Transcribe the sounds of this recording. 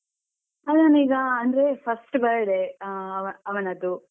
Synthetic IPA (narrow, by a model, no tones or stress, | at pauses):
ɐlɐniːɡɐːnd̪ɾepʰɐsʈbɐɾɖ̪eɐʋɐɐʋɐnɐd̪u